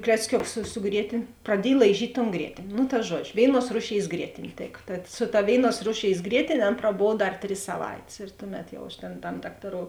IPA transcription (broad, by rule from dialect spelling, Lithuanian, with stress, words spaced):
klʲɛt͡sʲˈkʲʊks sʊ sʊ ˈɡrʲiɛtʲeːnʲ prɐˈdʲiɛj lˠɐɪˈʒʲiːtʲ toːn ˈɡrʲiɛtʲeːnʲ nʊ tɐ ˈʒuɔd͡ʒʲʊ ˈʋʲeːɪˌnuɔs ˈruːˌʃʲeːɪs ˈɡrʲiɛtʲeːnʲ ˈtʲeːkɐ tɐt sʊ tɐ ˈʋʲeːɪˌnuɔs ˈruːˌʃʲeːɪs ˈɡrʲiɛtʲeːnʲ ˈɐn prɐˈboːw ˈdɐr ˈtʲrʲɪs sɐˈʋɐɪtʲeːs ɪr ˈtʊˌmʲɛt jɛʊ ɐʃ tʲeːn tɐm ˈdɑːktɐˌroːʊ